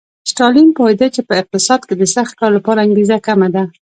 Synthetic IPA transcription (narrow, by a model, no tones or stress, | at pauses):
sʈɑlimpɑɪd̪at͡ʃepəɪq̚t̪ɪsɑd̪̚ked̪əsaxt̪̚kɑɾlapɑɾaːŋɡezakamad̪a